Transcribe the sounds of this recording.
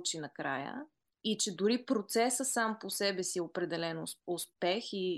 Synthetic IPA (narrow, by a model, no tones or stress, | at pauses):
t͡ʃinɐkɾa̰jə̰ | it͡ʃɛd̪ʊɾipɾot̪sɛsəsamposɛbɛsiɛopɾɛd̪ɛlɛnʊspɛxi